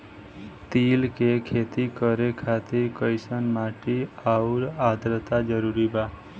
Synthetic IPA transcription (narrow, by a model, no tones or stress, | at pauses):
t̪ilkekʰet̪ikəɾekʰat̪iɾkəjsənmaʈiauɾad̪ɾət̪ad͡ʒəɾuɾiba